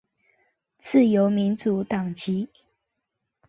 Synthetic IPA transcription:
t͡sʰɹ̩˥˨jo˨˦ʊmi˨˦nt͡su˨˦t̪ɑ˨˩ŋt͡ɕi˨˦

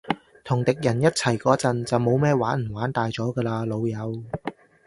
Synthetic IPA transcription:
t̪ʰʊ˨˩ŋt̪ɪ˨k̚jɐ˨˩njɐ˥t̚t͡sʰɐ˨˩jkɔː˨˥t͡sɐ˨nt͡sɐ˨wmo˨˧wmɛː˥waː˨˥nm̩˨˩waː˨˥nt̪aː˨jt͡sɔː˨˥ɡɛː˧laː˧lo˨˧wjɐ˨˧w

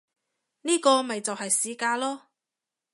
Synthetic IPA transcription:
niː˥kɔː˧mɐ˨jt͡sɐ˨whɐ˨jsiː˨˥kaː˧lɔː˥

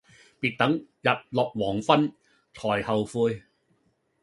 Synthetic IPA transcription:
piː˨t̚t̪ɐ˨˥ŋjɐ˨p̚lɔː˨p̚wɔː˨˩ŋfɐ˥n | t͡sʰɔː˨˩jhɐ˨wfuː˧j

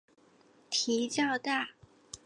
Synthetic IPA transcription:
t̪ʰi˧˥t͡ɕjɑ˥˧ʊt̪a˥˩

